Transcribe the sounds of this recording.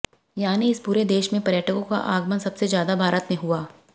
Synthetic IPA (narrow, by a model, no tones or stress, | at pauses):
jaːniɪspuːɾed̪eːʃmẽpɐɾjəːʈəkõka̰ʔaːɡmənsɐbsezjaːd̪abʱaːɾət̪mẽɦuaː